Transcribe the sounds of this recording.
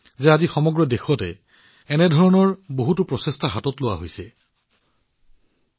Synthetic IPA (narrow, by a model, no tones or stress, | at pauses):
zɛazixɔmɔɡɹɔdexɔtɛː | nɛdʱɔɹɔnɔɹboɦutupɹɔsestʰaɦatɔtlʊwaɦojsɛ